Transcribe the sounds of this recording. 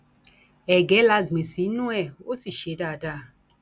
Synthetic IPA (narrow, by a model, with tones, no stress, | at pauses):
ɛ˨ɡɛ˨˦la˧ɡ͡be˨si˨˦nũ˦ɛ˦˨o˦si˨ʃe˨˦daː˦˨da˦˨